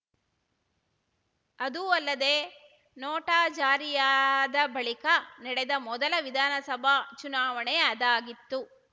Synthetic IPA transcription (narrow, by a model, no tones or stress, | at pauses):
ɐd̪uɐlːɐd̪eː | nɔːʈaːd͡ʒaːɾijaːd̪ɐbɐɭikɐnɛɽɛd̪ɐmɔd̪ɐlɐʋid̪ʱaːnɐsɐbʱɐt͡ʃunaːʋɐɳɛɐɐd̪aːɡit̪ːu